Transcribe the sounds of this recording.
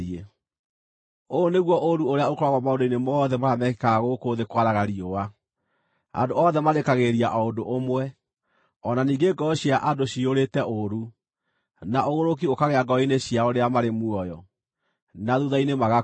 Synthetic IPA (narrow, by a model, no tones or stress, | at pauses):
e | oneɣwɔʔoɾuoɾeaokoɾaɣɔmaondoinemɔðɛmaɾamɛke̥kaɣokoðekwaɾaɣaɾiowa | a̰doɔðɛmaɾekaɣeɾiaʔɔondoʔomwɛ | ɔnaniːŋɡeɡɔɕjaʔadoɕioɾetɛʔoɾu | naʔoɣoɾok̬iokaɣeaɡɔineɕiaoɾeamaɾemuɔjɔ | naðuðainemaɣa